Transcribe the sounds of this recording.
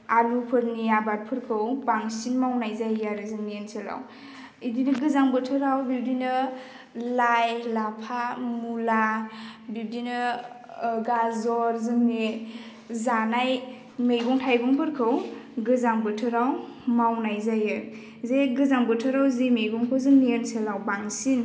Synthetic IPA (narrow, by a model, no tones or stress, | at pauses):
aɾupʰɯɾniabat̚pʰɯɾkʰɯwpaŋsinmawnajzajaɾɯzɯmniensʰela̰w | idinɯɡɯzaŋbɯtʰɯɾawbiw̚dinɯ | lajlapʰamulabib̚dinɯ | ɡazɔɾzɯmne | zanaj | mejɡɔŋtʰajɡɔŋpʰɯɾkʰɯwɡɯzaŋbɯtʰɯɾawmawnajzajɯ | zeɡɯzaŋbɯtʰɯɾawzemejɡɔŋkʰɯwzɯŋnienselawbaŋsin